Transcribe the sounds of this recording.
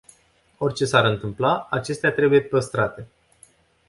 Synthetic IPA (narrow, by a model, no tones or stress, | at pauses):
o̞rʲt͡ʃe̞saɾɨnt̪ɨmplaat͡ʃe̞st̪eat̪ɾe̞buje̞pəst̪ɾat̪e̞